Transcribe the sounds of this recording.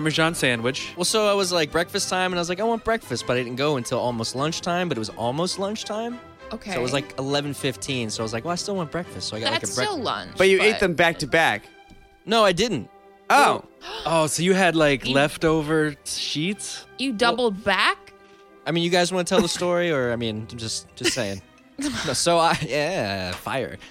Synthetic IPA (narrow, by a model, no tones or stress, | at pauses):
mə˞d͡ʒɑ̃nsæ̃ndwɨt͡ʃwɛlˠsoʊaɪwʌzlaɪk̚b̥ɹɛkfɨstʰãɪ̃mɨ̃naɪwʌzlaɪkaɪwɑ̃nb̥ɹɛkfɨst̚b̥ʌɾaɪdɪdn̩ɡ̥oʊə̃ntʰɪlˠɔlˠmoʊstˡlʌ̃nt͡ʃtʰãɪ̃mbʌɾɨt̚wʌzɔ̰lˠmoʊstˡlʌ̃nt͡ʃtʰãɪ̃m | oʊkʰeoʊɪwʌzlaɪkəlɛvn̩fɪftʰĩnsoʊaɪwʌzlaɪkwɛlˠaɪstɪlˠwɑ̃nb̥ɹɛkfɨstsoʊaɪɡɑtlɪkɹɛlʌ̰̃nb̥ʌt͡ʃɨeɪt̪̚ðɨ̃mbæk̚tɨbæ̰k | noʊaɪdɪdⁿn̩t̚ | oʊoʊsoʊjɨɨdˡlaɪklɛftoʊvə˞ʃitsjɨdʌbl̩ˠd̚bæk | aɪmĩnjɨɡaɪzwɑ̃nətʰɛlˠðəstɔɹiə˞aɪmĩnd͡ʒʌsd̥ʒ̥ʌstseɪɪ̃ŋ | nosoʊaɪjæfa̰ɪə̰˞